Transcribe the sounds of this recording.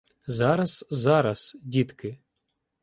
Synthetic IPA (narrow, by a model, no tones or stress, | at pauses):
zɑɾɐz̥zɑɾɐsdʲit̪kɪ